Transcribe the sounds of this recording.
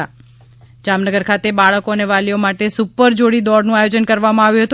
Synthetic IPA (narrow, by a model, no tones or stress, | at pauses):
a | d͡ʒamnəɡəɾkʰat̪ebaɭəkoəneʋaliomaʈesupːəɾd͡ʒoɽid̪ɔɽnũajod͡ʒənkəɾʋamãaʋjũɦət̪